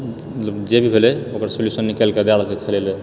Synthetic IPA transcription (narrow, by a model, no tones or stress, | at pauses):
t̪lbd͡ʒebʱibʱelɛokəɾsoljusənːikelked̪alkekʰelele